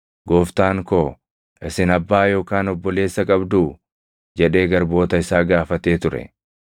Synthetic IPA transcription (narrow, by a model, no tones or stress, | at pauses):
ɡoːft̪aːŋkoː | ʔɪsɪnɐbːaːjo̞ːkaːnɔbːɔle̞ːsːɐkʼɐbd̪uː | d͡ʒɛᶑe̞ːɡɐɾbo̞ːt̪ɐɪsaːɡaːfɐt̪e̞ːt̪ʊɾɛ̰